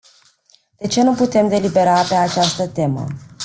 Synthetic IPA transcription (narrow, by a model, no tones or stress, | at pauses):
d̪̥e̞t͡ʃe̞nuput̪e̞md̪e̞libe̞ɾape̞at͡ʃast̪ət̪e̞mə̰